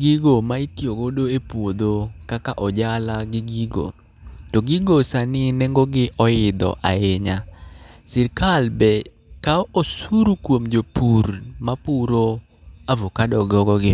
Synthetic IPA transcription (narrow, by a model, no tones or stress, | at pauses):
ɡiɡomaitjoɡodoepwod̪okakaʔɔd͡ʒalaɡɪɡiɡo̰ | tɔɡiɡosanɪneŋɡoɡɪʔɔɪd̪ɔ̰ʔa̰eɲasɪɾkalbɛ | kaɔʔosuɾukwomd͡ʒopuɾmapuɾo | avokadɔɡɔɡɔɡɪ